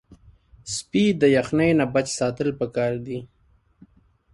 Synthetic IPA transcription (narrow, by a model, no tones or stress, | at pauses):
spid̪əjaxnajnabat͡ʃsɑt̪əlpəkɑɾd̪i